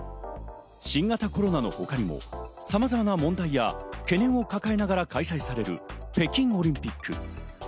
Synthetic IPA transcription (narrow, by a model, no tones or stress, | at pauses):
ɕĩŋɡat̪ako̞ɾo̞nano̞̰ho̞kaɾʲimo̞̰samazamanamõ̞nd̪aija̰ke̞nẽ̞ɰ̃o̞kakae̞naɡaɾakaisaisaɾe̞ɾɯ̟̰pe̞kʲĩŋ̃o̞ɾʲĩmpʲikːɯ̟